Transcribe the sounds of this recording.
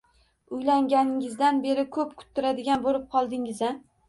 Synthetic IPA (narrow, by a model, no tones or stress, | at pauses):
ʊjlaŋɡʲanɪŋɪzd̪anbe̞ɾɪkʰɵpkʲʰʊ̥t̪ʰːɪɾad̪ɪɡʲanbolɪp̚qʰɒlˠd̪ɪŋɪza